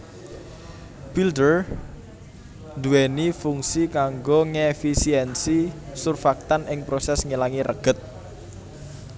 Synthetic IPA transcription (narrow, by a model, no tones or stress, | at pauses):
b̥ildər | nd̪uɛnifuŋsikaŋɡoŋefisiɛnsisurfak̚t̪anʔɪŋpɾosɛsŋilaŋiɾə̰ɡ̥ət̪̚